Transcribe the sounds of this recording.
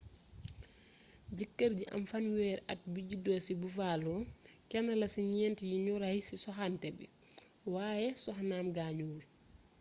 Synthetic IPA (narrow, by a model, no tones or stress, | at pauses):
d͡ʒəkːəɾd͡ʒiʔa̰mfanwɛːɾa̰t̚bid͡ʒidɔsibufalɔkɛnalasiɲɛntijiɲuɾahisisɔɦantɛbɛ | waːjɛsɔxnaːmɡaɲul